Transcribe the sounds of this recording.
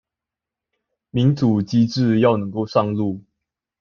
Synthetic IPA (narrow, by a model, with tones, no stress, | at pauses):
mi˨˦ŋʈ͡ʂu˨˩t͡ɕi˦ʈ͡ʂɻ̩˥˨jɑ˥˨ʊnɤ˧˦ŋko˥˧ʊʂɑ˥˧ŋlu˥˨